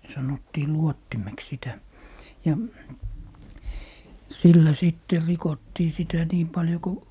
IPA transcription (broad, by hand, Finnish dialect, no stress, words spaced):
sɑnotːiː luotːimeks sitæ jɑ silːæ sitːer rikotːiː sitæ niːm pɑljo ko